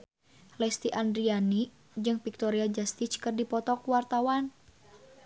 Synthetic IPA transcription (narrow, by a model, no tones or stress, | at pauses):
lɛst̪iʔandɾiani | d͡ʒɨŋpik̚t̪ɔɾiad͡ʒast̪it͡ʃkərdipɔt̪ɔkwart̪awan